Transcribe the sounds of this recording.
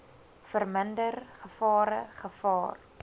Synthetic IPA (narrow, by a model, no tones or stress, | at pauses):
fərməndərχəfɑːɾə̰χəfɑːr